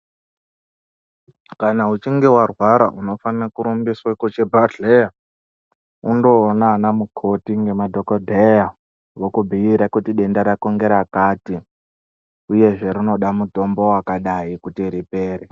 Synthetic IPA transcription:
kanaut͡ʃiŋɡe̞warwaɾaʔuno̞fanrakuɾumbiswakot͡ʃebʱaɬeja | undo̞ːnanamukʰotiŋɡe̞madʱokodʱeja | wokubʱiiɾakutiɗe̞ndaɾakoŋɡe̞ɾakaːti | uje̞ʐe̞ɾino̞ɗamuto̞mbo̞wakaɗaikutiɾipe̞ːre

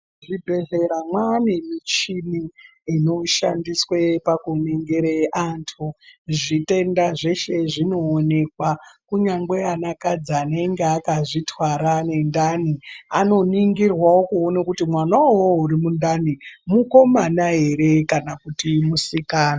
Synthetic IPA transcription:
ʐibʱe̞ze̞ɾamwanemit͡ʃini | ino̞ʃandiswepakuniŋɡeɾeʔantʰuʐite̞ndaʐe̞ʃe̞ʐino̞ːne̞kwakuɲaŋɡweanakad͡zaːneŋɡeakaʐitʰwaɾane̞ndaniano̞niŋɡirwaokuonakutimwanawouɾimundanimuko̞manaɦe̞ɾe̞kanakutimusikaːna

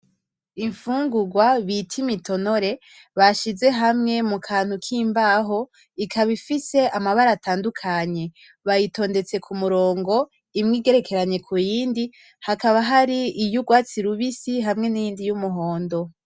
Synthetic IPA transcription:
iɱfuːŋɡuɡwaβitʰimitʰo̞no̞ɾe̞ | βaʃize̞ɦamŋe̞mukʰaːn̥hukʰiːmbaɦo̞ | ikʰaβifise̞amaβaɾataːndukʰaɲe̞ | βajito̞ːnde̞t͡se̞kʰumuɾo̞ːŋɡo̞ | imŋiːɡe̞ɾe̞kʰe̞ɾaɲe̞kʰujiːndi | hakaβaɦaɾiijuɡwaːt͡siɾuβisiɦamŋe̞nijiːndijumuɦo̞ːndo̞

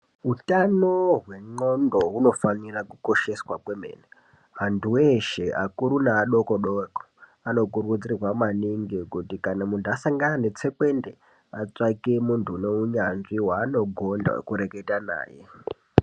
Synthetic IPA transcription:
utanoɦwe̞ŋ͡ǃondo̞ɦuno̞fanirakuko̞ʃe̞swakwemḛːna | ɦantʰuweʃeʔakuɾunaːɗo̞koɗoko̥ | ano̞kurɣud͡zirwamaniŋɡikutikanamuntuasaŋɡanane̞t͡se̞kwe̞nde | at͡sakemuntʰune̞uɲanʐiwaːno̞ɡʱonda̰kuɾe̞ke̞tana̰ːjḛ

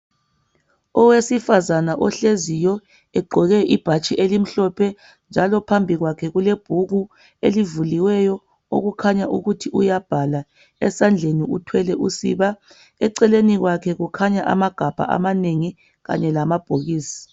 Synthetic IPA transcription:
ɔwesifazanaʔɔɬezijɔ | ɛɡ͡ǃʱɔɣɛʔib̥ʱat͡ʃʼiʔelim̩ɬɔpʰɛ | nd͡ʒʱalɔpʰambʱiɣwakʰɛɣuleb̥ʱuɣu | elivuliwɛjɔ | o̰ɣukʰaɲaʔuɣutʰiʔujab̥ʱala | ɛsand͡ɮʱeniutʰwɛlɛʔusḭβa | ɛǀɛleniɣwakʰɛɣukʰaɲaʔa̰maɡ̥ʱab̥ʱa̰ʔa̰maneŋi | ɣa̰ɲɛlamab̥ʱoɣiːsi̥

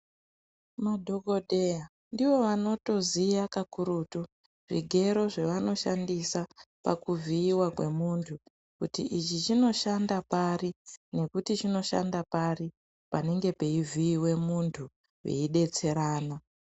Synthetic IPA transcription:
madʱo̞ɡʱo̞ɗeja | ndiʋo̞ʋano̞to̞zijakakuɾutu | ʐiɡʱe̞ɾo̞ʐe̞ʋano̞ʃandisapa̰kuvʱiːwakwe̞muntʰu | kutiʔit͡ʃit͡ʃino̞ʃandaparine̞kutit͡ʃino̞ʃa̰ndapari | pane̞ŋɡe̞pe̞ivʱiːwe̞muntʰu | jḛiɗe̞t͡se̞ɾaːna

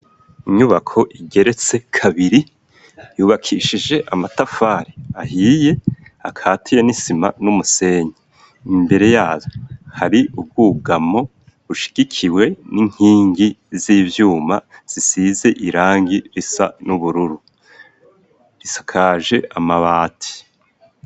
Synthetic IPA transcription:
iɲuβakʰo̞ʔiɡe̞ɾe̞t͡se̞kʰaβiɾi | juːβakʰiʃid͡ʒe̞ʔamatafaːɾiahiːje̞akʰaːtʰijenisima̰numuse̞ːɲe | imbe̞ɾe̞jaːzohaɾiʔub̚ɡuːɡamo̞ | βuʃi̥ɡ̥ikʰiwe̞niŋ̥hiːŋɡiziːvjuːmaz̥isize̞ʔiɾaːŋɡiɾisa̰nuβuɾuɾu | ɾisḁkʰaːʒe̞amaβaːtʰi̥

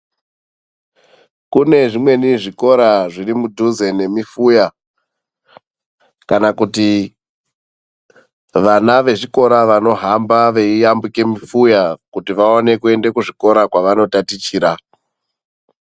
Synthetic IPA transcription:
kune̞ʐimwe̞niʐiko̞ɾaʐiɾimudʱuze̞ne̞mifuja | kanakuti | ʋanaʋe̞ʐiko̞ɾaʋano̞ɦambaʋe̞ijambike̞mifujakutiʋaone̞kue̞ndekuʐiko̞ɾakwaʋano̞tatit͡ʃiːɾa

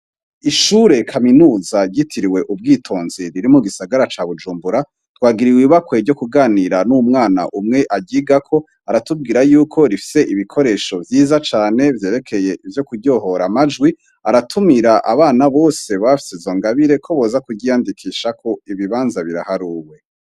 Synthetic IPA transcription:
iʃuːɾe̞kʰaminuːzaɟitʰiɾiwe̞ʔub̚ɡiːtʰo̞ːnziɾiɾimuɡisaɡaɾat͡ʃaβud͡ʒuːmbuɾa | twaːɡiɾiwiβakweɟo̞kuɡaːniɾanumŋaːna̰ʔumŋe̞ʔaɟiːɡakʰo̞ | aɾatub̚ɡiːɾajuːkʰo̞ɾifi̥se̞ʔiβikʰo̞ɾe̞ːʃo̞vjiːzat͡ʃaːne̞vje̞ːɾe̞kʰe̞je̞ivjo̞kuɟo̞ɦo̞ɾamad͡ʒɡwi | aɾatʰumiɾaʔa̰βaːnaβo̞ːse̞βafi̥sezo̞ŋɡaβiɾe̞kʰo̞βo̞ːzakuɟijandikʰiːʃakʰo̞iβiβaːnzaβiɾa̰haɾuːwe̞

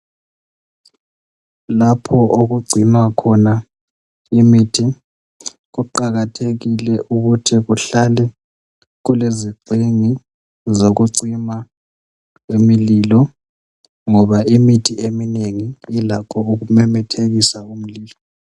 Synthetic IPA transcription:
lapʰɔʔoɣuɡ͡ǀʱinakʰɔna | imitʰi | ɣuǃaɣatʰeɣilɛʔuɣutʰiɣuɬalɛ | ɣuleziǀʱeŋi | zoɣuǀima | emililɔ | ŋɔβaimitʰiemineŋiːlakʰɔuɣumɛmɛtʰeɣisaum̩liːlɔ

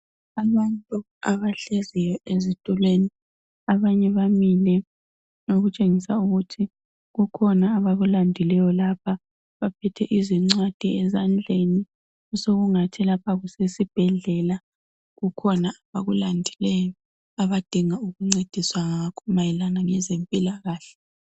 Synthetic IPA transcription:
aβantʼu | aβaɬɛzɛjɔʔezitʼulweni | aβaɲɛβamilɛ | noɣut͡ʃʼeŋisauɣutʰi | ɣukʰɔnaːβaɣulandʱilɛjɔlapʰa | βapʰɛtʰɛʔiziŋ͡ǀwad̥ʱiɛzand͡ɮʱeni | usoɣuŋatʰilapʰaɣusesib̥ʱɛɮɛla | ɣukʰɔnaaβaɣulandʱilɛjɔ | aβad̥ʱiŋauɣuŋ͡ǀed̥ʱiswaŋakʰɔmajɛlanaŋɛzempʼilaɣaːɬɛ̥

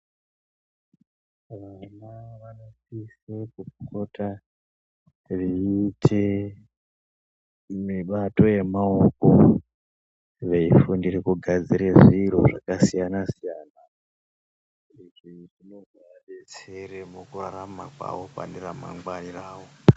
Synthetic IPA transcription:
ʋanaʋanosisekukko̞tʰa | riitʰe | miɓato̞je̞maoko | ʋe̞ifundirekuɡʱad͡ziɾeʐiro̰ʐa̰kasijanasijaːna | iriʐinovʱaɗet͡seɾemukuraɾama̰kwa̰ʋo̞pa̰ndiɾama̰ŋɡwaniraːwo̞

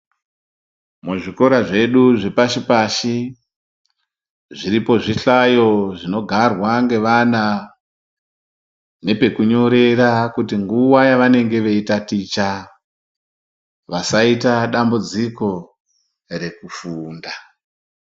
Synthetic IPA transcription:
muʐiko̞ɾaʐe̞ɗuʐe̞paʃipaʃi | ʐiɾipo̞ʐiɬajo̞ʐino̞ɡʱarwaŋɡe̞ʋana | ne̞pe̞kuɲo̞ɾe̞ɾakutiŋɡuwajaʋane̞ŋɡe̞ʋe̞itatit͡ʃa | ʋasaitaɗambud͡ziko̞ | re̞kufuːnda

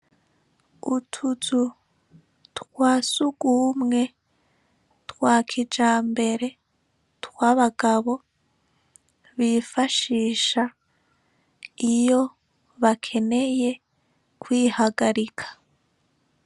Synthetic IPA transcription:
utʰuzu | twaːsuɡuːmŋe̞ | twaːkʰid͡ʒaːmbe̞ɾe̞ | twaːβaɡ̥aβo̞ | βifaʃiːʃa | ijo̞ | βakʰe̞ne̞je̞ | kwiːhaɡaɾikʰḁ

